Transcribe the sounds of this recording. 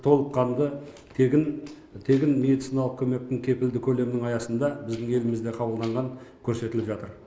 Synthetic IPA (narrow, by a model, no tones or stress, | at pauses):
t̪ʰo̞lˠəpqʰɑnd̪ə | ɪn | t̪ʰe̞ɡʲɪnme̞d̪it̪sinɑlˠəq̚kʲʰɵme̞k̚t̪ɪŋkʲʰe̞pɪld̪ɪkʲʰɵle̞mnɪŋɑjɑsənd̪ɑbɪzd̪ɪŋe̞lɪmɪzd̪e̞qʰɑbəlˠd̪ɑɴʁɑŋkʲʰɵɾse̞t̪ɪlɪpʒɑt̪əɾ